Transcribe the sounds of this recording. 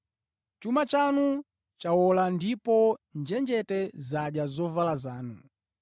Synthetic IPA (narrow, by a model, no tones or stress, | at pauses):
t͡ʃumat͡ʃanu | t͡ʃawɔlandipɔnd͡ʒɛnd͡ʒɛtɛzaɗjazɔvalazaːnu